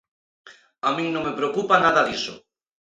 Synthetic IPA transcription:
amĩŋnõŋmepɾeokupanaðaðisʊ̰

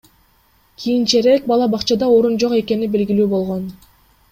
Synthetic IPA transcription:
kʲʰijint͡ʃeɾek̚bɑlˠɑbɑqt͡ʃɑd̪ɑoɾund͡ʒo̞qe̞ke̞nibe̞lɡʲilyːbo̞lˠʁon

